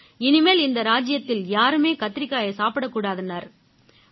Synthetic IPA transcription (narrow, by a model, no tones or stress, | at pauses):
ɪnɪmeːlɪnd̪ɐɾaːd͡ʒɪjɐt̪ːɪljaːɾɯmeːkɐt̪ːɪɾɪkːaːjɐsaːpɪɽɐkːuːɽaːðɯnaɾ